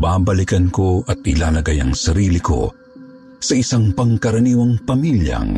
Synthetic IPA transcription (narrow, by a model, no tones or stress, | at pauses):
baːbɐlɪkɐnkoʔɐt̪̚ʔɪlaːlɐɡajɐ̰ŋsɐɾiːlɪko̞̰ | sɐʔɪsaŋpɐŋkɐɾɐniːwɐŋpɐmiljɐ̰ŋ